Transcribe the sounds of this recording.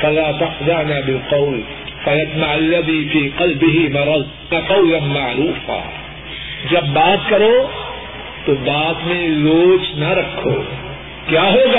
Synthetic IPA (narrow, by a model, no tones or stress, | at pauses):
fɐlaːt̪ɐxzaʕnaːbɪlqɑʊl | fɐjɐd͡ʒmaʕalːɐd̪iːfiːqɐlbɪɦɪmɑɾˤɑð | ɐqɑʊlɐmaʕɾuːfa̰ː | d͡ʒɐbːaːt̪kɐɾoː | t̪obaːt̪mẽzoːt͡ʃnɐɾɐkʰːo̰ː | kjaːɦoːɡaː